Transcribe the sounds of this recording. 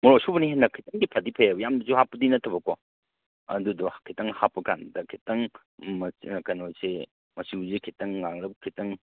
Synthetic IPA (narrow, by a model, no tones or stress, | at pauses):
mɔɾosubɐniɦenɐkʰitɐŋɡipʰadipʰajabɐjamdɐsuhapːɐdinɐtʰːɐbɐkɔ | ɐ̰dudɔkʰitɐŋhapːɐkandɐkʰitɐŋ | mɐkɐnose | mɐsiuzekʰitɐŋːaŋɾɐb̚kʰitɐŋ